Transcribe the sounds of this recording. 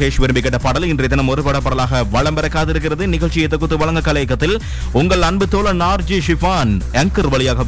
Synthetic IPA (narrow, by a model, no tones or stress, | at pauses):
ɣeːʂʋɪɾɯmbɪkːɐʈːɐpɐɽɐlɪndrɐɪt̪ːɐnɐmɔɾɯpːɐɽɐpːɐɽɐlaːɣɐʋɐɻɐmbɐɾɐkːaːðɪɾɯk̬ːɪrɐðɯnɪɣɐɭt͡ʃːɪjɐt̪ːɔkːɯt̪ːɯʋɐɭɐŋɡɐkːɐlɐjɐkːɐt̪ːɪl | ʊŋɡɐɭɐnbɯt̪ːoːlɐnaːɾd͡ʒiʂɪfaːnɛŋkɐɾʋɐɭɪjaːɣɐ